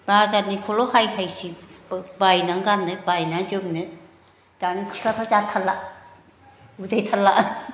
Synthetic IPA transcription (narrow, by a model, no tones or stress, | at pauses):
bazanikʰɔlɔhajhajsibajnaŋɡanːɯbajnaŋd͡ʒɯmnɯ | d̥anikʰɯ̥kʰɾapʰazatʰalːa | udajtʰalːa